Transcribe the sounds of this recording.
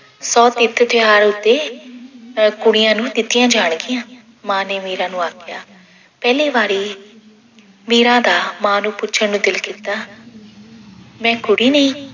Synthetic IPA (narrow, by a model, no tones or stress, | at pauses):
sɔːt̪ɪt̪ʰːt̪ʰɪɦaːɾʊt̪ːeː | kʊɽɪjãːnũːt̪ɪt̪ɪjãːd͡ʒaːɳ̃ɡɪjãː | mãːneːmiːɾãːnũːaːkɪjaː | pɛːliːbaːɾiː | miːɾãːd̪aːmãːnũːpʊt͡ʃʃʰəɾnũːd̪ɪlkiːt̪ːaː | mɛ̃ːkʊɽiːnəĩː